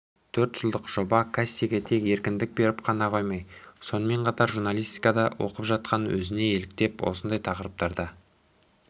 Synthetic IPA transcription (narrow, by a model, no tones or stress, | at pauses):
t̪ʰɵɾt̪ʒ̥əlˠd̪əqʒ̥o̞bɑkʰasʲːiɡʲet̪ʰe̞ke̞ɾkʲɪnd̪ɪk̚be̞ɾɪpqʰɑnɑqʰo̞jmɑjso̞nəme̞ɴqʰɑt̪ɑɾʒuɾnalʲijst̪i̥jkɑd̪ɑwʔo̞̰qəpʒɑt̪̚qʰɑnwɵ̰zɪne̞e̞lɪk̚t̪e̞pwo̞̰sənd̪ɑjt̪ʰɑqəɾəp̚t̪ɑɾd̪ɑ